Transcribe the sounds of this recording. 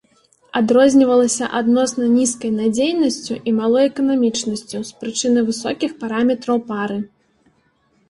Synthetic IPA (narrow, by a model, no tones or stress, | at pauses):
ad̪ɾɔzʲnʲivɐlˠɐsʲɐʔad̪nɔsnɐnʲiskɐjnad͡zʲejnɐsʲt͡sʲuʔimalˠɔjɛkɐnamʲit͡ʂnɐsʲt͡sʲuspɾɨt͡ʂɨnɨvɨsɔkʲixpaɾamʲɛt̪ɾɐwpaɾɨ